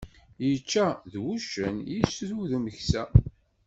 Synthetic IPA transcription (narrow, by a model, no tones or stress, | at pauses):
jət͡ʃːæðwuʃənjisðuðəməçsæ